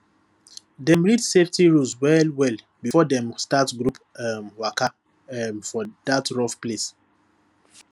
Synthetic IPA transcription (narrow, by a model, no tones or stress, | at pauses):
dɛ̃mɹidseftiɹuswɛlwɛl | bifɔdɛ̃mstatɡɹupamwaka | mfɔdatɹɔfples